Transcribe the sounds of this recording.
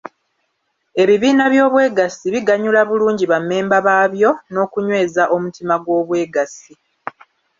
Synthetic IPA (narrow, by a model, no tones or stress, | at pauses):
e̞βiβiːnaβjo̞ːβwe̞ːɡasiβiɡaɲulaβuluːɲɟiβamːe̞ːmbaβaːβjo̞no̞ːkuɲwe̞ːzaʔo̞mutimaɡwo̞ːβwe̞ːɡasi